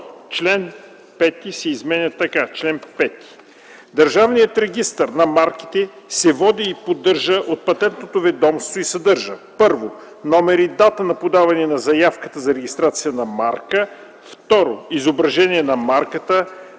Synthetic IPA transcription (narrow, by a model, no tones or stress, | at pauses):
t͡ʃlɛn | pɛt̪isɛizmɛnʲət̪ɐkat͡ʃlɛnpɛt̪i̥ | d̪ɐɾʒavnijət̪ɾɛɡ̟ist̪əɾnɐmaɾki̥t̪ɛsɛvɔd̪iːpod̪ɤɾʒəʔot̪̚pɐt̪ɛnt̪not̪ovɛd̪ɔmst̪voisɐd̪ɤɾʒəpɤɾvo | nɔmɛɾid̪at̪ənɐpod̪avɐnɛnɐzɐjafkət̪əzɐɾɛɡʲist̪ɾat̪sijənɐmaɾkə | ft̪ɔɾoizobɾɐʒɛniɛnɐmaɾkət̪ə